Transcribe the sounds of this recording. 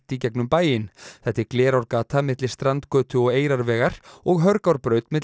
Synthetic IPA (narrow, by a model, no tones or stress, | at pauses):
t̪icɛknʏmpaːjɪnθɛht̪ːɪɾklɛːɾawɾkaːt̪ʰamɪt̪lɪ̥st̪ɾant̪kœːt̪ʰʏɔɣeːjɾaɾvɛːɣaɾ̥ɔɣɦœɾkawɾpɾœːɥt̪mɪt̪